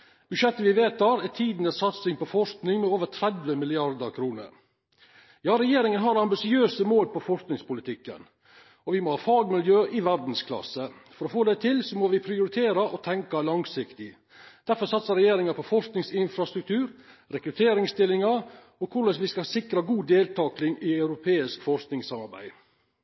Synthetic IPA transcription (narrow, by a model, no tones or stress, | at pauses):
b̥ʉʂɛt̪ːəʋɪʋeːt̪ʰɑːɾæt̪ʰiːd̪nəssɑt̪sɪŋpɔfɔʂknɪŋmɛoːʋəɾʈ̪ʰɾɛd̪ʋəmɪlɪɑɾd̪əɾkʰɾuːnə̰ɾ | jɑːɾɛjeːɾɪŋənɦɑɾɑmbɪsɪøːsəmoːlpɔfɔʂknɪŋspʊlɪt̪ʰɪkːə̰n | ɔʋɪmɔhɑːfɑːɡmɪljøːʔɪʋæɾd̪n̩skʰlɑ̰sːəfɔɾɔfoːd̪ɛt̪ʰɪlsɔmɔʋɪpʰɾɪʊɾɪt̪ʰeːɾɑʔɔt̪ʰɛŋkɑlɑŋsɪkt̪ɪ | d̪̥æɾfɔsɑt̪səɾɛjeːɾɪŋɑpʰɔfɔʂknɪŋsɪnfɾɑst̪ɾʉk̚t̪ʰʉːɾ | ɾɛkɾʉt̪ʰeːɾɪŋst̪ɪlːɪŋɑ | ɔkʰʊɾəsʋɪskɑsɪkɾɑɡuːd̪eːlt̪ɑːklɪŋɪɑʉɾʊpʰeːɪskfɔʂknɪŋsɑmɑɾbæ̰ɪ